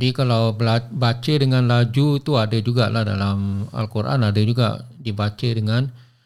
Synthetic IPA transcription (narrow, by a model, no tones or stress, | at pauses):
bikalawlabat͡ʃədəŋanlad͡ʒut̪uadad͡ʒuɡaʔlahdalama̰lkurʔa̰nadəd͡ʒuɡa̰ʔdibat͡ʃədəŋan